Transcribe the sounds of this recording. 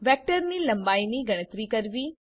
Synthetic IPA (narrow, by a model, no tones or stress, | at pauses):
ʋɛːk̚ʈəɾnilɐ̃mbaːiniɡɐɽ̃ət̪ɾikɐɾʋiː